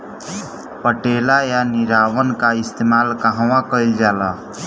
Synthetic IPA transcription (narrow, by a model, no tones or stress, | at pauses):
pəʈelajaniɾawənkaist̪emalkaɦə̃wãkəjld͡ʒala